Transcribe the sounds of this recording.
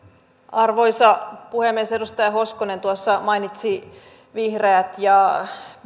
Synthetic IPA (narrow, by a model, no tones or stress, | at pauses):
ɑrʋo̞jsɑpuhemːiesedust̪ɑjɑɦo̞skone̞nt̪uɑsːɑmɑinit̪si | ʋihreːt̪jɑ